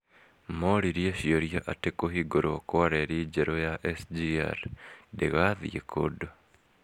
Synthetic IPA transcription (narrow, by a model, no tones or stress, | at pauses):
moɾiɾjaʃioɾijaʔatekoɦiɡoɾokoaɾeɾid͡ʒeɾojaʔesdia̰ɾdeɣaðḭḛkʰodo